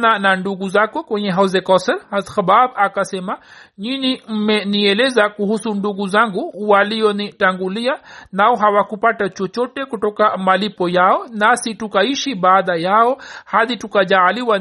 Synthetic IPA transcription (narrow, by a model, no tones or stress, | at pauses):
nananduɡuzakɔkwɛɲɛɦazɛkɔsɛlazxababakasɛmaɲinim̩mɛniɛlɛzakuhusunduɡuzaŋɡuuwaliɔnitaŋɡulianaɔɦawakupatat͡ʃɔt͡ʃɔtɛkutɔkamalipɔjaɔnasitukaiʃibaːðajaɔhaðitukad͡ʒaliwa